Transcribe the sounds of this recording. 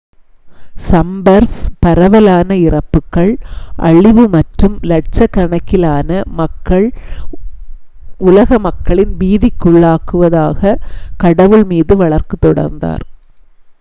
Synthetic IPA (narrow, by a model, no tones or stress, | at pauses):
sɐmbɐɾspɐɾɐʋɐlaːnɐɪrɐpːɯkːɐɭʔɐ̰ɭɪʋɯmɐʈrɯmlɐʈ̚t͡ʃɐkːɐɳɐkːɪlaːnɐmɐkːɐɭ | ʊlɐɣɐmɐkːɐɭɪnʋiːðɪkːʊɭːaːkɯʋɐðaːɣɐkɐɽɐʋɯɭmiːðɯʋɐɭɐɾkɯt̪ːɔɽɐ̰ɾnd̪a̰ːɾ